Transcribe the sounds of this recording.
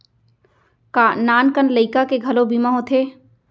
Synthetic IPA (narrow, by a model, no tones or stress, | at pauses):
kanaːnkənləɪkakeɡʱɐlobimaɦõt̪ʰeː